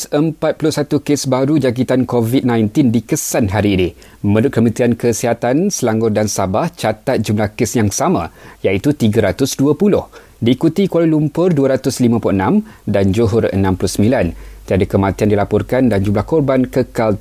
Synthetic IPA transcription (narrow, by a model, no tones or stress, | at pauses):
səmpat̪̚pulʊhsat̪ukesbaɾud͡ʒak̬it̪ankɔvit̪̚nãjnt̪ɪndikəsanɦaɾiːni | mə̃ɾʊt̪̚kəmə̃t̪iankəsiɦat̪ansəlaŋɡʊrdansabaht͡ʃat̪at̪̚d͡ʒumlahkesjaŋsamãjait̪ut̪iɡaɾat̪ʊsduapulʊh | diːkut̪ikwaɾilumpʊrduəɾat̪ʊslimãpuuʔənãmdand͡ʒuɦʊrə̰nãmpulʊhsəmbilant̪iadakəmãt̪iandilapɔrkandand͡ʒumlahkɔrbankəkal